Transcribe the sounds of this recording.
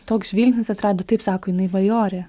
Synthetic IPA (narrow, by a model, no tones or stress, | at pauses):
t̪oːksʒʲʋʲiːlʲsʲnʲɪsɐt̪ɾɑːd̪oːt̪ɐɪpsɑːkoːjɪnɐɪʋɐjoːɾʲɛ